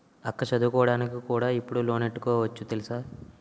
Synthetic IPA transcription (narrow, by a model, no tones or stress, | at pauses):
ɐkːɐt͡ʃɐd̪ukɔːɐɽaːnikikuːɽaːipːuɽuloːneʈːu̥kɔːʋɐt͡ʃːut̪elisaː